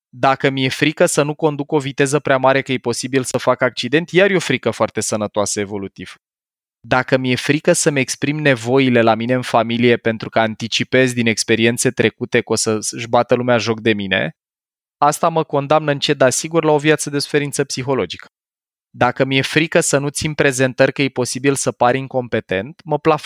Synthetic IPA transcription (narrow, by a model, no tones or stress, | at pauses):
d̪akəmije̞fɾikəsənuko̞nd̪uko̞vit̪e̞zəpɾeamaɾe̞kəje̞po̞sibilsəfakak̚t͡ʃid̪e̞nt̪jaɾjo̞fɾikəfoart̪e̞sənət̪oasəevo̞lut̪iv̥ | d̪akəmje̞fɾikəsəme̞kspɾimne̞vo̞ile̞lamine̞ɨnfamilije̞pe̞nt̪ɾukaːnt̪it͡ʃipe̞zʲd̪ine̞kspe̞ɾie̞nt̪se̞t̪ɾe̞kut̪e̞ko̞səʒbat̪əlumeaʒo̞k̚d̪e̞mine̞̰ | ast̪aməko̞nd̪amnəɨnt͡ʃe̞d̪asiɡurlao̞vjat̪səd̪e̞su̥fe̞ɾint̪səpsixo̞lo̞d͡ʒikə̥ | d̪akəmije̞fɾikəsənut̪simpɾe̞ze̞nt̪ərʲkəjepo̞sibilsəpaɾiŋko̞mpe̞t̪e̞nt̪məplaf